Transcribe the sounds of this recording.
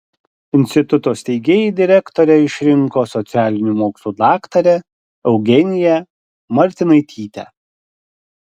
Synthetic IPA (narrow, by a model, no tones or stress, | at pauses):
ɪnʲsʲt̪ʲɪt̪ʊt̪oːsʲt̪ʲɛɪɡʲeːjiːd̪ʲɪɾʲɛkt̪ɔɾʲɛɪʃʲɾʲɪŋˑkoːsɔt̪sʲæːlʲɪnʲumoːkslˠuːd̪ɑːkt̪ɐɾʲɛ | ɛʊɡʲɛnʲɪjɛ | mɐɾʲt̪ʲɪnɐɪt̪ʲʰiːt̪ʲɛ̰